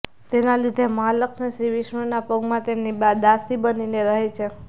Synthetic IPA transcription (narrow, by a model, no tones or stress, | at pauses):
t̪enalid̪ʱeməɦaləksneʃɾiʋiʃmənapəɡmãt̪emnibad̪asibənineɾəɦet͡ʃʰe